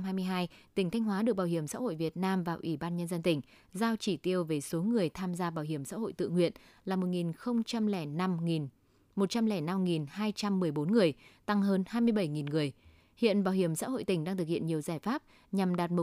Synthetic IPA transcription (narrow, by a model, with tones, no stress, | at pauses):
mɦaː˧jmɨ˧jɦaː˧jt̪ï˧˩ŋ̟t̪ʰa˧jŋ̟ɦwaː˨˦ɗɨ˨˩ək̚ɓaː˧˩whi˧˩əmsa̰ː˧˥ho̰˧˨jvi˨˩ət̚naː˧mvaː˨˩wʔi˧˩ɓaː˧nɲə˧nzə˧nt̪ï˧˩ŋ̟ | zaː˧wt͡ɕi˧˩t̪i˧əwve˨˩so˨˦ŋɨ˨˩əjt̪ʰaː˧mzaː˧ɓaː˨˩whɦi˧˩əmsa̰ː˧˥ho̰˧˨jt̪ɨ̰˧˨ŋwḭ˧˨ənlaː˨˩mo˨˩t̚ŋi˨˩nxə˧wŋ͡mt͡ɕa˧mlɛ˧˩˧ | mo˨˩t̚t͡ɕa˧mlɛ˧˩na˧mŋi˨˩nhaː˧jt͡ɕa˧mːɨ˨˩əjɓo˨˦nŋɨ˨˩əjt̪a˧ŋɦəː˧nhaː˧jmɨ˧əjɓə˧˩jŋi˨˩nŋɨ˨˩əj | hḭ˧˨ənɓaː˨˩whi˧˩əmsa̰ː˧˥ɦo̰˧˨jt̪ï˧˩ŋ̟ɗaː˧t̪ɨ˨˩k̚hḭ˧˨ənɲi˨˩əwzaː˧˩jfaː˦˥p̚ | ɲa˨˩mɗaː˨˩t̚mʊ˨˩